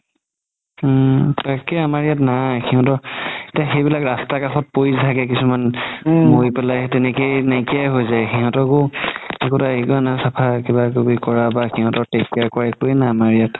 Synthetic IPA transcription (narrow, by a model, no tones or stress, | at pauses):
takɛamaɹijatnaxʰiɦɔ̃tɔetiaxejbilakɹastakaxɔt̚poiztʰaɡɛk̬isumanmoipɛlajtɛnekejnakijaɦojzajxiɦɔ̃tɔkoɛkutaikɔnasapʰakibakobikɔɹabaxiɦɔ̃tɔtɛkːakɔɹɛkojnaamaɹijat